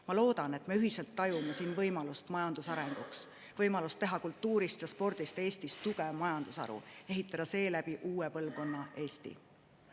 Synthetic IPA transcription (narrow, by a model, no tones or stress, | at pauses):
mɑlo̞ːd̪ɑne̞t̪me̞yɦiselt̪ːɑjumesiːnvɤjmɑlust̪mɑjɑnd̪̥usɑɾe̞ŋɡ̥uks | vɤjmɑlust̪e̞ɦɑkult̪ːˑuːɾist̪jɑspo̞rd̪̥ist̪e̞ːst̪ist̪ːuɡ̥evmɑjɑnd̪̥usɑ̰ɾṵe̞ɦit̪ːˑɑd̪̥ɑse̞ːlæb̥iʔuːepɤlvko̞nːɑʔe̞ːst̪ḭ